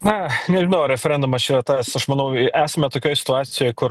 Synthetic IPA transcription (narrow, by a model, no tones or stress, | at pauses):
nɐnʲɛʒʲɪnɐʊɾʲɛfʲɛɾʲɛnd̪ʊmɐst͡ʃiːɾɐt̪ɑːsɐʃmɐnɐʊʔæːsɐmʲɛt̪oːkʲoːjsʲɪt̪ʊɑːsʲɪjoːjkʊr